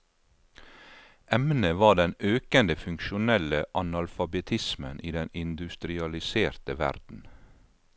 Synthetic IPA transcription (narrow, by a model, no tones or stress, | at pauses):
ʔɛmnəʋɑːɖ̪ɛnøːkənd̪əfʉŋkʃʊnɛləʔɑnɑlfɑbɛt̪ʰɪsmə̰nʔiːd̪ɛnɪnd̪ʉst̪ɾɪɑlɪseːɾt̪əʋæ̰ɾd̪̥n̩